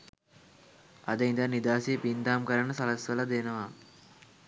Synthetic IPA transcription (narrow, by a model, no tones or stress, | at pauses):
ɐd̪ɐjnd̪ɐnid̪aːsiɐpind̪aːmkɐɾɐɳɐsɐlɐsʋɐlɐd̪eːnɐʋaː